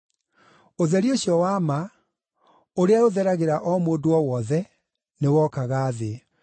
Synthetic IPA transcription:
oðɛɾioɕjɔwaːma | oɾeaoðɛɾaɣeɾaʔɔmoːdoɔwɔðɛ | newɔkaɣaːðe

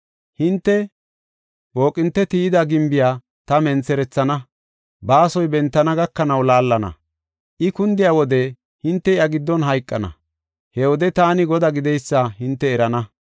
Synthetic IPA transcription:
hɪnt̪ːɛ | bo̞ːkʼːɪnt̪ːɛt̪id̪ɐɡɪmbɪjaː | t̪ɐmɛnt͡sɛɾɛt͡sːɐnɐ | baːsɔjbɛnt̪ːɐnɐɡɐkːɐnɐwlaːlːɐnɐ̰ | ʔɪkʊnd̪ɪjaːwɔd̪ɛ | hɪnt̪ːɛɪɐɡɪd̪ːɔnɦɐjkʼːɐnɐ̰ | hɛwɔd̪ɛt̪aːnɪɡɔd̪aɡɪd̪ɛjsːaɦɪnt̪ːɛːɾɐnɐ

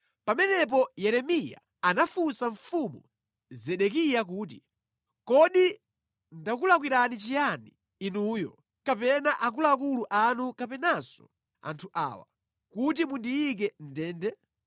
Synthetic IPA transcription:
pamɛnɛp̬ɔjɛɾɛmija̰ | anafusaɱfumṵ | zɛɗɛkijak̬uːt̬i | kɔɗi | ndakulak̬wiɾanit͡ʃijani | inujɔ̰ | kapɛnaʔak̬ulakuluʔanukapɛnasɔ̥̰ | a̰ntʰuʔa̰ːwa̰ | kut̬imundiik̬ɛn̩dɛːndɛ

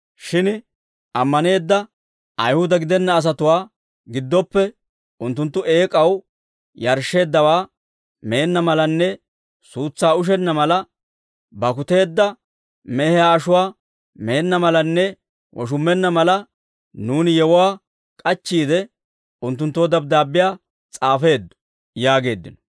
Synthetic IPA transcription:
ʃɪn | ʔɐmːɐne̞ːd̪ːɐ | ʔɐjhʊd̪ɐɡɪd̪ɛnːɐːs̬ɐt̪ʊwaː | ɡɪd̪ːɔpːɛ | ʊnt̪ːʊnt̪ːʊʔe̞ːkʼɐw | jɐɾʃe̞ːd̪ːɐwaː | meːnːɐmɐlɐnːɛ | suːt͡sːaːʊʃ̬ɛnːɐmɐlɐ | bɐkʊt̪e̞ːd̪ːɐ | mɛhɛjaːɐʃʊwaː | meːnːɐmɐlɐnːɛ | wʔɔ̰ʃ̬ʊmːɛnːɐmɐlɐ | nuːnɪjɛwʊwaː | kʼɐt͡ʃːiːd̪ɛ | ʊnt̪ːʊnt̪ːoːd̪ɐb̚d̪aːbːɪjaː | t͡sʼaːfe̞ːd̪ːɔ̥ | jaːɡe̞ːd̪ːɪnɔ̥

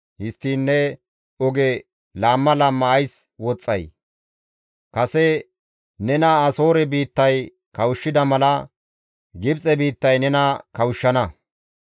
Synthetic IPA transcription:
hɪst̪ːiːnːɛ | ɔɡɛ | laːmːɐlaːmːɐːjs | wɔt͡sʼːɐ̰j | kɐsɛ | nɛnɐaːso̞ːɾɛbiːt̪ːɐj | kɐwʊʃːɪd̪ɐmɐlɐ | ɡɪbt͡sʼɛbiːt̪ːɐjnɛnɐkɐwʃːɐnɐ

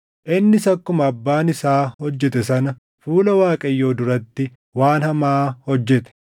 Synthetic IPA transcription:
ʔɪnːɪsɐkːʊmɐːbːaːnɪsaːhɔd͡ʒːɛt̪ɛsɐnɐ | fuːlɐwaːkʼɐjːo̞ːd̪ʊɾɐt̪ːɪ | waːnhɐmaːhɔd͡ʒːɛt̪ɛ̥

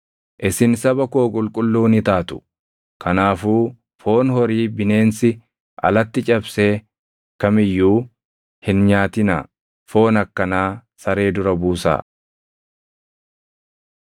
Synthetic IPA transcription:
ʔɪsɪnsɐbɐko̞ːkʼʊlkʼʊlːuːnɪt̪aːt̪ʊ̥ | kʰɐnaːfuː | fo̞ːnhɔɾiːbɪne̞ːnsɪ | ʔɐ̰lɐt̪ːɪt͡ʃʼɐbseː | kɐmɪjːuː | hɪnɲaːt̪ɪna̰ː | fo̞ːnɐkːɐnaːsɐɾe̞ːd̪ʊɾɐbuːsa̰ː

